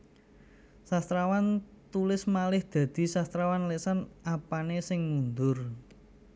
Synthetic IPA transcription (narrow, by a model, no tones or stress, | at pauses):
sast̪ɾawant̪ulɪsmalɪhd̪̥ä̤d̪̥i̤sast̪ɾawanlesanapanesɪŋmund̪ʊr